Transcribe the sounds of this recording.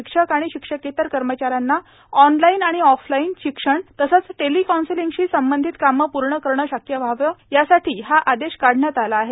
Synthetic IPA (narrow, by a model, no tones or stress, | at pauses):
ikʂəkaɽ̃iɕikʂəket̪əɾkəɾmət͡ɕaɾanːa | ɔnlainaɽ̃iɔflainɕikʂəɳt̪əsət͡sʈelikɔnsiliŋɡɕiːsəmbənd̪ʱit̪kaməpuɾɳəkəɾɳəɕakjəʋʱaʋjəjasaʈʰiːɦaʔad̪eɕkaɽ̤ʱɳjat̪alaːɦe